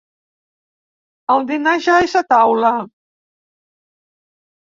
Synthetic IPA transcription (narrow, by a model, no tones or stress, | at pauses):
əlˠd̪inaʒajsat̪awlə